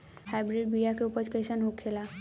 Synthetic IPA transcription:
hajbɾiɖ̚bijakeupət͡ʃkesənɦokʰːela

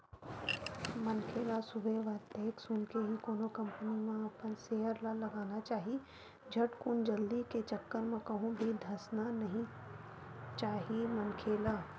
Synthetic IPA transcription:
mɐnkʰeːlasʊbʱeʋaːt̪eːksʊnkeɦikoːnokɐ̃mpənimẽɐpənseːɦəɾlalɐɡaːnat͡ʃaːɦi | d͡ʒʱɐʈkund͡ʒɐld̪iket͡ʃɐkːəɾmẽkɐɦũbʱid̪ʱɐsnanɐɦĩ | t͡ʃaːɦimɐnkʰeːlaː

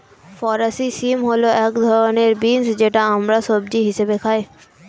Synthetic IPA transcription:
fɔɾasisimɦoloɛkd̪ʱɔɾoneɾbinsd͡ʑeʈaəmɾasobd͡ʑiɦiʃebekʰae

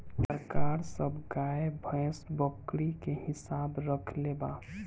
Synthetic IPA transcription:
t̪əɾkaːɾsəbɡaebʱə̃sbəkɽikeɦɪsaːbɾəkʰleba

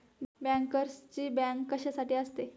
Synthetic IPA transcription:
bæ̃ŋkəɾst͡ɕiːbæ̃ŋkːəɕasaʈiːəst̪e

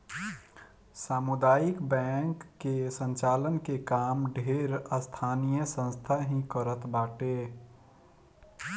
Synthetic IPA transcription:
saːmud̪aːikbɛ̃ŋkːesə̃nt͡ʃaːlənkekaːmɖʱeɾəst̪ʰaːnijəsə̃nst̪ʰaɦĩkəɾət̪baːʈe

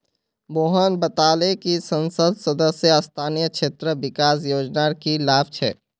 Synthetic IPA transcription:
boːɦənbət̪aːlekisə̃nsəd̪səd̪əsjəst̪ʰaːnijəkʃʰeːt̪ɾəʋɪkaːsjoːd͡ʒnaɾkilaːb̚t͡ʃʰɛ̰ː

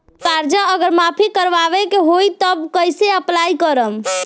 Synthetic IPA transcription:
kaɾd͡ʒaəɡəɾmapʰikəɾʋaʋekeɦoit̪əbkəjseəplaikəɾəm

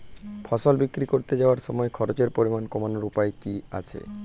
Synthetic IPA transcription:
fʰɔʃolbikːɾikoɾt̪ed͡ʑaoaɾʃɔmɔekʰɔɾot͡ɕeɾpoɾimankomanoɾupaekia̰t͡ɕʰḛ

